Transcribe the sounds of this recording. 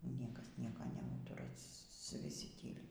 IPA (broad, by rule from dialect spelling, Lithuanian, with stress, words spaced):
ˈnʲiɛkɐs ˈnʲiɛkoː nʲɛˈuːtʊrɐ ʋʲɪˈsʲɪ ˈtʲiːlʲɪ